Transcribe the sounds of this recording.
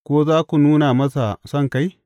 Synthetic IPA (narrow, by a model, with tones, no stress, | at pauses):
kʷoː˦zaː˦ku˨nuː˦na˨mɐ˦sa˨sɐ˦ŋka˨j